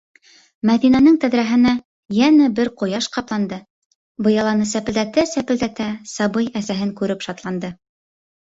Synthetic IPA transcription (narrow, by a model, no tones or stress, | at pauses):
mæðinænɘŋt̪æðɾæɦɘ̆næ | jænæbɘɾqŏjɑʃqɑplˠɑnd̪ɤ | bɤ̆jɑlˠɑnɤsæpɘ̆ld̪æt̪æsæpɘ̆ld̪æt̪æsɑbɤjæsæɦɘŋkʉɾɘpʃɑt̪lˠɑnd̪ɤ